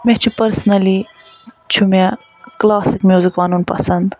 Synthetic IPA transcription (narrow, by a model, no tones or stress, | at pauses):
met͡ʃʰupɐɾsnɐli | t͡ʃʰume | klaːsikmʲjuːzikʋaːnunpɐ̰sɐnd̪